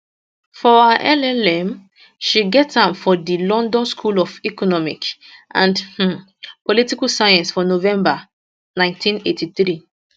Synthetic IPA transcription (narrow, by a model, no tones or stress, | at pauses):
fɔaʔɛlɛlɛ̃m | ʃiɡɛthãmfɔdilɔ̃ndɔ̃nskʰulɔfikɔnɔmḭk | ʔã̰nd̩ | politikalsajãnsfɔnovɛ̃mba | nãɪ̃ntʰĩnetʰiθɹi